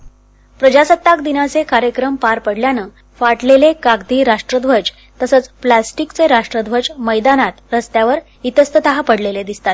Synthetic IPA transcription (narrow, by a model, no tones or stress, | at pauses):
pɾəd͡ʑasət̪ːakd̪inat͡sekaɾjəkɾəmpaɾpəɽljanəː | faʈlelekaɡ̚d̪iːɾaʂʈɾəd̪ʋəd͡ʑ | t̪əsət͡splasʈikt͡seɾaʂʈɾəd̪ʋəd͡ʑməjd̪anat̪ɾəst̪jaʋəɾ | it̪əst̪ət̪əɦapəɽleled̪ist̪at̪̚